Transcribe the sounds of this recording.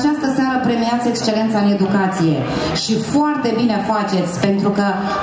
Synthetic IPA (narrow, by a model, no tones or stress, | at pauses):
t͡ʃast̪əsaɾəpɾemiat̪se̞kst͡ʃe̞le̞nt̪saɨne̞d̪ukat̪sije̞̰ | ʃifoart̪e̞bineafat͡ʃe̞t̪sʲpe̞nt̪ɾukə